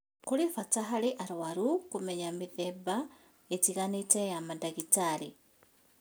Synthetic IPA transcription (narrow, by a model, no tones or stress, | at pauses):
kulifataɦaliʔaɾwaɾukumeɲamiðeba | et͡siɣanitejamadaɣitalḭ